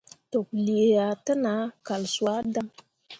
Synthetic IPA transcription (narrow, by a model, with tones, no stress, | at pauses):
to˨kli˨e˨ja˨tə˦na˨˦ka˨lsu˨a˦da˦ŋ